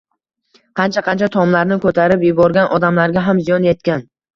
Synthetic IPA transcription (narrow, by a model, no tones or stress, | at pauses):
qʰɑnt͡ʃʰaqɑnt͡ʃʰat̪ʰɒmlaɾnɪkʰɵt̪ʰaɾɪpjʊbɒɾɡʲanʔɒd̪amlaɾɡʲaɦamzijɒnjet̪̚kʲan